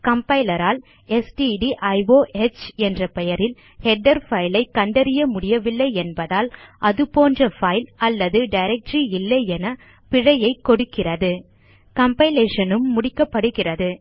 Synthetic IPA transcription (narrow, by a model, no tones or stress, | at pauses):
kɐmpɐɪlɐɾaːl | ɛsʈiɖiʔɐɪʋoːʔɛt͡ʃɛndrɐpɛjɐɾɪl | hɛɖːɐɾfɐɪlɐɪkːɐɳɖɐɾɪjɐmʊɽɪjɐʋɪlːɐɪɛnbɐðaːlʔɐðɯpoːndrɐfɐɪlɐlːɐðɯɖɐɪɾɛk̚ʈɾiɪlːɐɪɛnɐ | pɪɻɐjɐɪkːɔɽɯkːɪrɐðɯ | kɐmpɐɪleːʂɐnɯmːʊɽɪkːɐpːɐɽɯɣɪrɐðɯ